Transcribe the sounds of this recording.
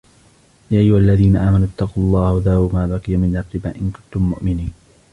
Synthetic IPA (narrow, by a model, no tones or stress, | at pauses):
jaːʔajːʊhalːaðiːnaʔaːmanʊt̪ːɑqulˤːɑːhðaːbʊmaːbaqɨjamɪnaɾt̪ɪbaːʔɪnkʊnt̪ʊmːʊʔmɪniːn